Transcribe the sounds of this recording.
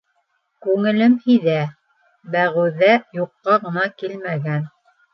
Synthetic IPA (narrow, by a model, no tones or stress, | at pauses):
kʉŋɘ̆lɘmhiðæ | bæʁɘ̆wðæjuqːɑʁɤ̆nɑkilmæɡæn